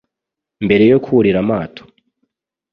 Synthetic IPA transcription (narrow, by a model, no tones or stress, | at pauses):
mbe̞ɾe̞jo̞kʰuɾiɾamaːtʰo̥